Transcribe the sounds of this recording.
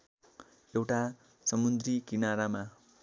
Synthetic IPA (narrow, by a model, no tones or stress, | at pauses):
ewʈa | sʌmund̪rikinaɾama